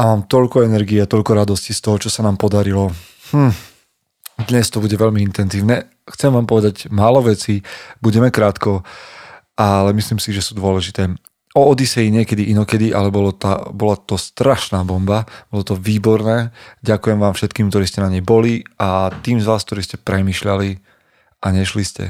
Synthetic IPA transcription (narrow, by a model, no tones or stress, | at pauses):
amaːmt̪ɔʎkɔɛnɛɾɡiat̪ɔʎkɔɾad̪ɔscist̪ɔɦɔt͡ʃɔsanaːmpɔd̪aɾilɔ | hm̩ | d̪ɲɛst̪ɔbuɟɛʋɛʎmiint̪ɛnziːʊnɛ | xt͡sɛmʋaːmpɔʋɛd̪aɟmaːlɔʋɛt͡siːbuɟɛmɛkɾaːt̪kɔ | ʔalɛmisliːmsiʒɛsuːd̪ʊɔlɛʒit̪ɛː | ɔːd̪isɛjiɲɪɛkɛd̪iʔinɔkɛd̪iʔalɛbɔlɔt̪a̰bɔlat̪ɔst̪ɾaʃnaːbɔmbab̥ɔlɔt̪ɔʋiːbɔɾnɛːɟakujɛmʋaːmfʃɛt̪kiːmkt̪ɔɾiːscɛnaɲɛjbɔliat̪iːmzʋaːsk̚t̪ɔɾiːscɛpɾɛmiːʃʎali | ʔaɲɛʃliscɛ̰